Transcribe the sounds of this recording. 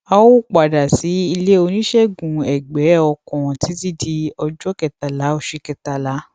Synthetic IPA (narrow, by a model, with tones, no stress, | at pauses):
a˧wo˦˨k͡pa˨da˨si˨˦i˧le˦o˧nĩ˦ʃɛ˦ɡũ˨ɛ˨ɡ͡bɛ˨˦ɔ˧kɔ̃˨ɔ̃˨ti˨˦ti˦di˧ɔ˧d͡ʒɔ˦kɛ˨ta˨la˨˦o˦˧˨ʃe˧kɛ˨ta˨la˨˦